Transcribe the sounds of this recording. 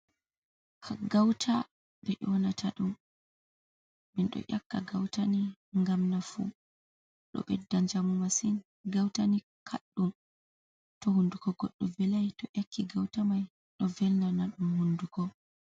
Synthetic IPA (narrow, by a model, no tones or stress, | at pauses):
kʰaɡawtʰa | bɛʔɔnatʰaɗum | bɛnɗɔ̰ʔakːaɡawtaniŋɡamnafṵ | ɗɔ̰ɓɛ̰dːaɲd͡ʒamumasin | ɡawtani | kʰaɗːum | tɔhundukɔɡɔɗːɔvɛlajtɔʔakʰːiɡawtamaj | ɗɔvɛlnanaɗumhundukɔ